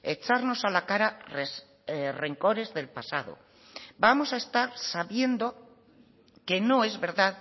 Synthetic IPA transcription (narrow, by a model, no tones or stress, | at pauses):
et͡ʃaɾno̞salakaɾare | re̞ŋko̞ɾe̞zðe̞lpasaðo̰ | bamo̞saest̪aɾsaβje̞nd̪o | ke̞nõ̞e̞zβe̞ɾðað